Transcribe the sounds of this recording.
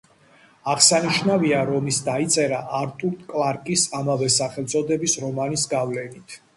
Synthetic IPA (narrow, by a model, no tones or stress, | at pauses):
aʁsaniʃnaviaɾɔmisd̪ait̪sʼɛɾaʔaɾt̪ʼuɾt̪ʰʼkʼlˠaɾkʼisamavɛsaχɛlˠt̪sʼɔd̪ɛbisɾɔmanisɡavlɛnit̪ʰ